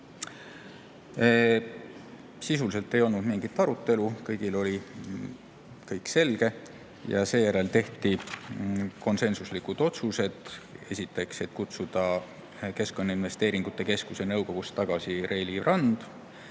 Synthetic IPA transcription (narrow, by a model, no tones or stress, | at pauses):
sisulise̞lt̪ːˑe̞jo̞lnud̪̥miŋɡ̥it̪ːˑɑɾut̪ːˑe̞lukɤjɡ̥ilo̞lʲi | kɤjkse̞lɡ̥e̞ | jɑ̰se̞ːjæɾe̞lt̪e̞ht̪i | ko̞nse̞nsuslikud̪̥o̞t̪suse̞d̪̥esʲit̪ːˑe̞kse̞t̪kut̪sud̪̥ɑ | ke̞skˑo̞nːɑinve̞st̪e̞ːɾiŋɡ̥ut̪ˑːe̞ke̞skuse̞nɤwko̞ɡ̥ust̪ːɑɡ̥ɑsiɾʔe̞ːlirɑnd̪̥